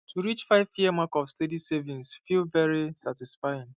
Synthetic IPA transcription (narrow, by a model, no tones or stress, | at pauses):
tʰuɾit͡ʃfaɪviəmakɔfstedisɛvĩnsfilvɛɾisatɪsfaɪ̃n